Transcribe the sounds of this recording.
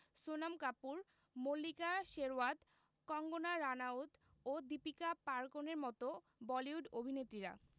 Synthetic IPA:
sonamkapuɾ | molːikaʃeɾoad̪ | kɔŋɡonaɾanaut̪od̪ipikapaɾkoneɾmɔt̪o | bɔliuɖobʱinet̪ːɾiɾa̰

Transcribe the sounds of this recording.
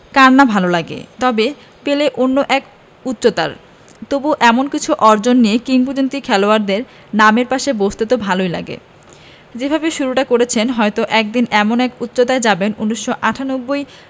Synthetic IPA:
kaɾnabʱalolaɡḛt̪ɔbe | peleʔonːoʔɛk | ut̪ːɕot̪a̰ɾ | t̪obuʔɛmonkit͡ɕʰuʔɔɾd͡ʑonːijekiŋɡud͡ʑont̪ikʰɛloaɾd̪eɾ | nameɾpaʃebost̪et̪obʱalojla̰ɡḛ | d͡ʑebʱabeʃuɾuʈakoɾet͡ɕʰenɦɔet̪oʔɛk̚d̪inɛmonɛkut̪ːɕot̪aed͡ʑabenunːiʃːoʔaʈʰanobːoj

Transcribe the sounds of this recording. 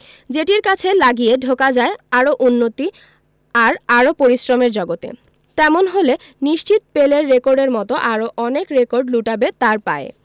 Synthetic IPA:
d͡ʑeʈiɾkat͡ɕʰelaɡijeɖʱokad͡ʑaeaɾoʔunːot̪i | aɾaɾopoɾisɾomeɾd͡ʑɔɡot̪ḛ | t̪ɛmonɦole | niʃt͡ɕit̪peleɾːekoɾɖeɾmɔt̪oʔaɾoʔɔnekɾekoɾɖluʈabet̪aɾpa̰e

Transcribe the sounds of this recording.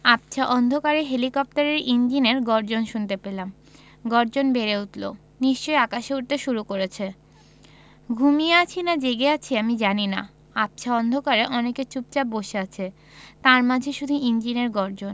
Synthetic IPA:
ap̚t͡ɕʰaʔɔnd̪ʱokaɾeɦelikɔp̚t̪aɾeɾind͡ʑineɾɡɔɾd͡ʑonʃunt̪epelam | ɡɔɾd͡ʑonbeɾeut̪lo̰ | niʃt͡ɕojakaʃeuʈ̚t̪eʃuɾukoɾet͡ɕʰe | ɡʱumieat͡ɕʰinad͡ʑeɡeat͡ɕʰiamid͡ʑanina̰ | ap̚t͡ɕʰaɔnd̪ʱokaɾeʔɔneket͡ɕup̚t͡ɕaboʃeat͡ɕʰe | t̪aɾmad͡ʑʱeʃud̪ʱuind͡ʑineɾɡɔɾd͡ʑon

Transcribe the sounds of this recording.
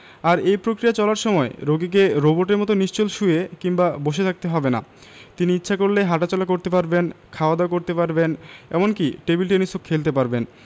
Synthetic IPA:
aɾejpɾokɾijat͡ɕɔlaɾʃɔmɔeɾoɡik̬eɾoboʈeɾmɔt̪̬oniʃt͡ɕolʃuekimbaboʃ̬et̪ʰak̚t̪eɦɔbena̰ | t̪iniitːɕʰakoɾleɦaʈat͡ɕɔlak̬oɾt̪epaɾbenkʰaoad̪akoɾt̪epaɾbenɛ̰monkiʈebilʈ̬enisokʰːelt̪̬epaɾben

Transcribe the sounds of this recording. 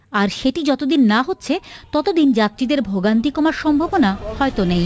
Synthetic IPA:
aɾʃeʈid͡ʑɔt̪od̪inːaɦotːɕʰet̪ɔt̪od̪ind͡ʑat̪ːɾid̪eɾbʱoɡant̪ikɔmaɾʃɔmbʱabonahɔet̪onej

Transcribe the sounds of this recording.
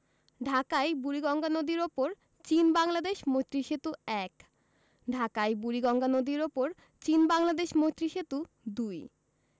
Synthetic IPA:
ɖʱakajbuɾiɡɔŋɡanod̪iɾopoɾ | t͡ɕinbaŋlad̪eʃmot̪ːɾiʃet̪uɛk | ɖʱakajbuɾiɡɔŋɡanod̪iɾopoɾ | t͡ɕinbaŋlad̪eʃmot̪ːɾiʃet̪u | d̪uj

